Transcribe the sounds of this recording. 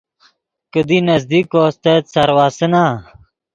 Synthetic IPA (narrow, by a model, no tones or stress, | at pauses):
kəd̪inɐzd̪ikoːst̪et̪sɐɾwaːsənaː